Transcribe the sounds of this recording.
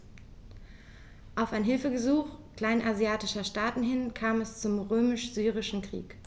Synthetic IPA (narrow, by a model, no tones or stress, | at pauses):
ʔaʊfaɪnɦɪlfəɡəzuːxkl̥aɪnʔazjaːtɪʃɐʃtaːtn̩ɦɪnkʰaːmɛst͡sʊmʁøːmɪʃz̥yːʁ̞ɪʃn̩kʁ̥ḭːk